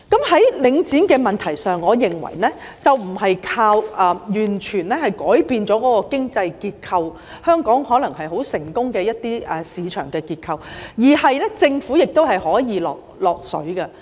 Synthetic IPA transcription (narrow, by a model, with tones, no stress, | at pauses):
kɐ˨˥mhɐ˨˥jlɪ˨˧ŋt͡siː˨˥nkɛː˧mɐ˨nt̪ʰɐ˨˩jsœː˨ŋːɔː˨˧jɪ˨ŋwɐ̰˨˩jnɛː˥t͡sɐ˨wm̩˨˩ɦɐ˨jkʰaː˧wɐː˨˧jyː˨˩nt͡ʃʰyː˨˩nlɛ˥hɐ˨jkɔː˨˥jpiː˧nt͡sɔː˨˥kɔː˨˥kɔː˧kɪ˥ŋt͡sɐ˧jkiː˧t̚kʰɐ˧w | hœː˥ŋkɔː˨˥ŋhɔː˨˥lɐ˨˩ŋhɐ˨jɦo˨˥wsɪ˨˩ŋkʊ˥ŋkɛː˧jɐ˥t̚t̪iː˥ɛ˨˩siː˨˧t͡ʃʰœː˨˩ŋkɛː˧kiː˧t̚kʰɐ˨˧wjiː˨˩hɐ˨jlɛ˥t͡sɪ˧ŋfuː˨˥jɪ˨k̚t̪o˥whɐ˨jhɔː˨˥jiː˨˧lɔ̰ː˨k̚lɔː˨k̚sɵ̰˨˥ɥkɐ˧